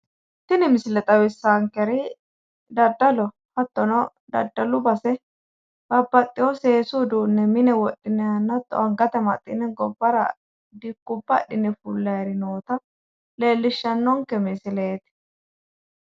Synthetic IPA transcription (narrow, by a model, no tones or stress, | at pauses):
t̪ɪnɪmɪsɪlɛt̪ʼɐwɪsːaŋkɛɾɪ | d̪ɐd̪ːɐlɔ | hɐt̪ːɔnɔ | d̪ɐ̰d̪ːɐlʊbɐsɛ | b̥ɐbːɐt̪ʼːɪjɔseːsud̪uːnːɛmɪnɛwɔɗːɪnɛɐnːɐt̪ːɔ̰ɐŋɡɐt̪ɛmɐ̰t̪ʼːɪ̰nɛɡɔbːɐɾɐ̰ | d̪ɪkːʊbːɐɗɪnɛfʊlːɐjɾɪnoːt̪ɐ | le̞ːlːɪʃːɐnːɔŋkɛmɪsɪleːt̪ɪ̥